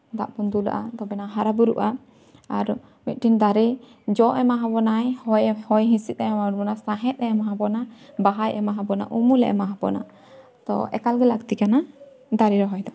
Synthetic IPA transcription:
d̪aʔpund̪ula̰ʔat̪ɔbɛnaɦaɾabuɾṵʔa | aɾ | mit̪̚ˀʈind̪aɾɛ | d͡ʒɔʔɛmaɦabɔnajhɔjhɔjɦĩsit̪̚ɛmaɾbɔnasaɦɛt̪̚ˀɛmaɦabɔnabaɦajʔɛmaɦabɔna̰ʔumulɛʔɛmaɦabɔ̰na̰ | t̪ɔ̰ʔɛ̰kalɡɛlakt̪ikana | d̪aɾɛɾɔɦɔjd̪ɔ

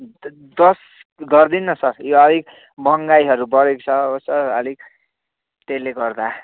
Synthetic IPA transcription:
d̪ʌs | ɡʌrd̪inːʌsʌrjoʌlik | bʌŋɡajɦʌɾubʌɾekt͡sʰʌʌsʌrʌ̰lik̚ | t̪eleɡʌrd̪a

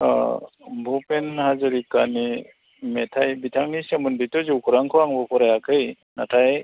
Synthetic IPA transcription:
bʱupenhazɯɾikani | metʰajbitʰaŋnisemɯnditɔzuwkʰuɾaŋkʰɯwaŋbɔpʰɔɾajakʰɯj | natʰaj

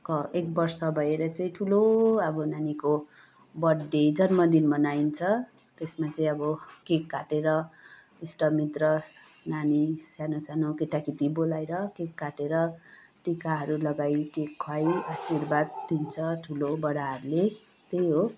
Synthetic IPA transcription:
kʌek̚bʌrsʌbʱʌeɾʌt͡saĩʈʰuloʌbʌnaniko | bʌɖːed͡zʌnmʌd̪inmʌnaint͡sʰʌ | t̪esmat͡sʌĩʌbʌkekːaʈeɾʌ | isʈʌmit̪rʌ | nanisjanosanokeʈakiʈibolajɾʌkekːaʈeɾʌ | ʈikaɦʌɾulʌɡajkekʰːwajasirbad̪̚d̪int͡sʰʌʈʰulobʌɽaɦʌɾule | t̪ejɦo

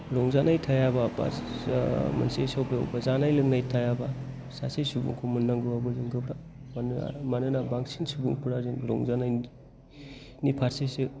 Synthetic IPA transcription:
ɾɔŋzanajtʰajababa̰ | mɐ̰nsesawbḛbazanajlɯŋnajtʰajaba | sasesubṵŋkʰomunːaŋɡɯabɯzɯŋɡɯbɾaman̰manɯnabaksinsubuŋpʰuɾazinɾɔ̰ŋzanaj | nipʰaɾsesɯ

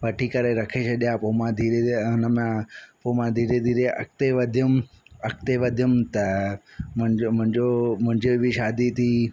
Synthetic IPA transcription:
ʋəʈʰiːkəɾeɾɐkʰet͡ʃʰəɗjãpoːmãd̪ʱiːɾeʊnəmãpoːmãd̪ʱiːɾed̪ʱiːɾeʔɐ̰k̚t̪eʋəd̪ʱjʊm | ɐk̚t̪eʋəd̪ʱjʊmt̪ɐmʊ̃omʊ̃ɦɪ̃ɲd͡ʒomʊ̃ɦɪ̃ɲd͡ʒebʱiʃaːd̪it̪ʰiː

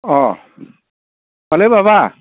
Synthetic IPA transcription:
ɔː | malebabaː

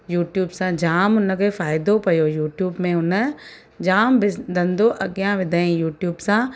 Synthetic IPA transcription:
juːʈjuːbsãd͡ʒaːmʊnkefaːɪd̪opɐjoːjuːʈjuːbmẽʊn | d͡ʒaːmbɪsd̪ɐ̃nd̪oʔɐɡjãʋɪd̪aĩjuːʈjuːbsãː

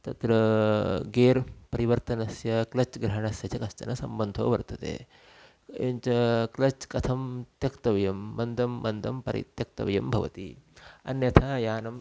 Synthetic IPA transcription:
t̪ɐt̪ɾɐ | ɡeːɾpɐɾiʋɐɾt̪ɐnɐsjɐklɐt͡ʃɡɾɐɦɐɳɐsjɐt͡ʃɐkɐst̪ɐ̰nɐsɐmbɐnd̪ʱoːʋɐɾt̪ɐt̪ḛː | jɐ̰ɲt͡ʃɐklɐt͡ʃkɐt̪ʰɐmt̪jɐkt̪ɐʋɐjɐmːɐnd̪ʱɐmːɐnd̪ʱɐmpɐ̰ɾḭt̪jɐk̚t̪ɐ̰ʋɐjɐmbʱɐʋɐ̰t̪ḭɐ̰njɐt̪ʰaːjaːnɐm

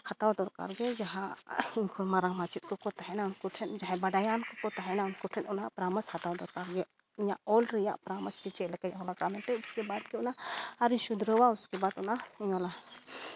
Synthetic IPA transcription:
hat̪awd̪ɔɾka̰ɾɡɛd͡ʒaɦaiɲkʰuɾmaɾaŋmat͡ʃit̪̚kɔkɔt̪aɦɛnaunkuʈʰɛnd͡ʒaɦɛbaɖajankɔkɔt̪aɦɛnaunkuʈʰɛnɔnapɾaməshat̪awd̪ɔɾkaɾɡɛ | iɲaʔɔlɾɛja̰ʔpɾaməst͡ʃit͡ʃɛʔlɛkajɔlakamɛnʈɛuskɛbad̪̚kɛɔnaaɾiɲʃud̪ɾɔwauskɛbaʈɔnaiɲɔla

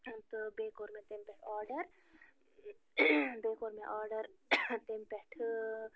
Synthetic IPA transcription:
t̪obeːkoːɾmẽt̪empɛʈʰɔːɾɖəɾ | beːkoːɾmẽʔɔːɾɖəɾt̪empɛʈʰ

